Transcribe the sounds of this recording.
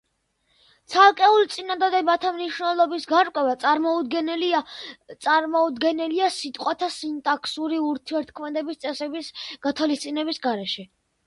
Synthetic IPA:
t̪sʰalˠkʼɛult̪sʼinad̪ad̪ɛbat̪ʰamniʃwnɛlˠɔbisɡaɾkʼwɛvat̪sʼaɾmɔud̪ɡɛnɛliat̪sʼaɾmɔud̪ɡɛnɛliasit̪ʼqʼwat̪ʰasint̪ʼakʰsuɾiuɾt̪ʰiɛɾt̪̚ʰkʰmɛd̪ɛbist̪sʼɛsɛbisɡ̥at̪ʰwalist̪sʼinɛbisɡaɾɛʃɛ

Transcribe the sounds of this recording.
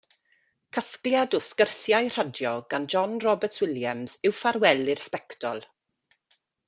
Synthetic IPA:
kʰəskljadʊskərθjajr̥ədjɔɡand͡ʒɔnrɔbətʰwɪljamz̥ɪwfaɾwɛlɪrspɛktʰɔ̰lˠ

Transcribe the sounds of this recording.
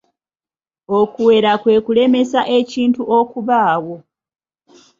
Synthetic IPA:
okuwe̞ːɾakwe̞ːkule̞me̞saʔe̞ciːntuʔokuβaːwo̞

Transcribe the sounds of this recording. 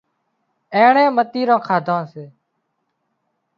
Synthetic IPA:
ẽːɳẽːmət̪iːɾãːkʰaːd̪ʱãːseː

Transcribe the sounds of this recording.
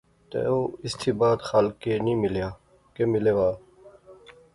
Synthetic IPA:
t̪ḛːoːɪst̪ʰiːbaːt̪xalkeːnĩːmɪljaː | kemɪleːʋaː

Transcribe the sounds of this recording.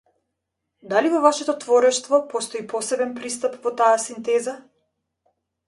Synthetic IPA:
d̪alivɔvaʃɛt̪ɔt̪vɔɾɛʃt̪vɔpɔst̪ɔipɔsɛbɛnpɾist̪apvɔt̪aasint̪ɛza

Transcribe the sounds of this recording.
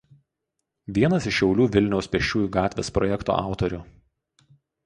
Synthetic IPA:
ʋʲiɛnɐsɪʃʃʲːɛʊlʲuːʋʲɪlʲnʲɛʊspʲɛʃʲt͡ʃʲuːjuːɡɑːt̪ʲʋʲḛːspɾɔjɛkt̪o̰ːʔɑ̰ˑʊt̪ɔɾʲʊ

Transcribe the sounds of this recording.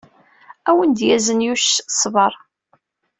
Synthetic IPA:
æwənd̪jæzənjuʃsˤvəɾˤ

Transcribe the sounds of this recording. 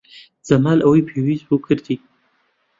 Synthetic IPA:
z̥ɐmaːlʔawijpʰewiːzbukʰɨɾd̪i

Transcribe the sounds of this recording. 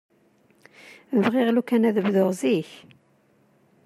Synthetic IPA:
əvʁɪʁlukænæðəvðʊʁziç

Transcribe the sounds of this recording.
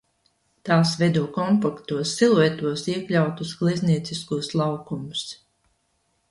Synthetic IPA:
t̪aːsvɛd̪uːɔkɔmpakt̪uɔsːilˠuɛt̪uɔsiɛklʲawt̪usɡ̥lˠizniɛt̪siskuɔslˠawkumus

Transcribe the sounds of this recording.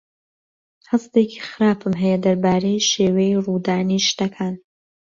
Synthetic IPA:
hɐst̪eːkʰi̥xɨɾaːpɨmɦɛjɛd̪ɐɾbaːɾejʃeːwejiruːd̪aːniʃt̪ɐkʰaːn

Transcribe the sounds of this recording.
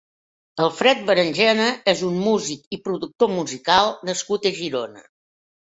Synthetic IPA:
əlˠfɾɛt̪̚bəɾənʲʒɛnəezummuzikipɾuðuk̚t̪omuzikalˠnəskut̪əʒiɾonə̰

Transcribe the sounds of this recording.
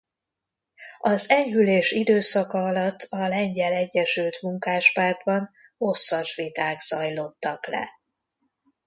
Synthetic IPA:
ɒzɛɲhyleːʃid̪øːsɒkɒɒlɒt̪ʰːɒlɛɲɟɛlɛɟːɛʃylt̪muŋkaːʃpaːrd̪bɒn | o̞sːɒʃʋit̪aːɡz̥ɒjlo̞t̪ːɒklɛ̰

